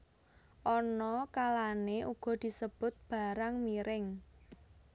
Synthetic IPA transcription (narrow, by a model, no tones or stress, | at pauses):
ʔɔnɔkalaneʔuɡ̥ɔ̤d̪̥i̤səb̥ʊt̪̚b̥a̤ɾaŋmiɾʔɪŋ